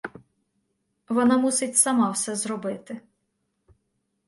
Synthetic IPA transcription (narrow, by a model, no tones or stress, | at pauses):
ʋɔnɑmusɪtʲsɐmɑwsɛzɾɔbɪt̪ɪ